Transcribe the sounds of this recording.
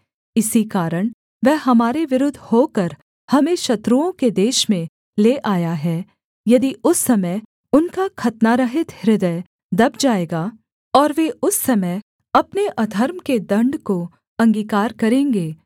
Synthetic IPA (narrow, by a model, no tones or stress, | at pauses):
ɪsikaːɾəɽ̃ | ʋɛɦɦɐmaːɾeʋɪɾʊd̪ʱːhoːkɐɾ | hɐmẽʃɐt̪ɾuõked̪eːʃmẽ | leːʔaːjaɦɛː | jɐd̪iʊsːɐməj | ʊnkakʰɐt̪naɾɐɦɪt̪hɪɾɪd̪əj | d̪ɐb̚d͡ʒaːeːɡaː | ɔːɾʋeʊsːɐmə | ɐpneʔɐd̪ʱəɾmked̪ɐ̃ɳɖko | ɐ̃ŋɡiːkaːɾkɐɾẽːŋɡeː